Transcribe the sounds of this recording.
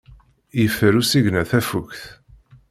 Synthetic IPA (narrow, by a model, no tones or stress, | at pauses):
jəfəɾusiʝnæθæfukθ